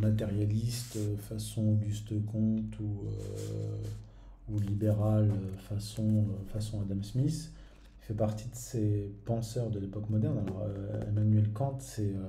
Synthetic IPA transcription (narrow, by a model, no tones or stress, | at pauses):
mat̪eʁjalist̪øfasɔ̃oɡyst̪əkɔ̃t̪ʰuø̰ | ulibeʁaløfasɔ̃øfasɔ̃ad̪amsmis | fɛpaʁt̪ʰid̪əsepɑ̃sœʁd̪əlepɔkmɔd̪ɛʁnalɔʁøḛmanɥɛlkɑ̃t̪sɛø